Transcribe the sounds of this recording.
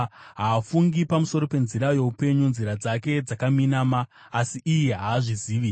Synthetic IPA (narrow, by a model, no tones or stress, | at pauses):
ɦaːfuŋɡipamuso̞ɾo̞pe̞nziɾajoupe̞ɲunziɾad͡zake̞d͡zakaminamaː | siʔijiɦaːʐiziːʋi